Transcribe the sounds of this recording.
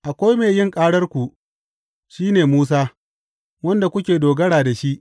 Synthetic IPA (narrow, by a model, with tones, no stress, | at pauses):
ʔa˨kʷa˦jmeː˨jɪ˦ŋkʼaː˦ɽɐ˦rkʷu˨ʔ | ʃiː˦neː˨muː˦s̬aː˦ | wɐ˦nda˨kʷʊ˦kʲeː˨doː˨ɡɐ˦ɽaː˨da˨ʃi˦ʔ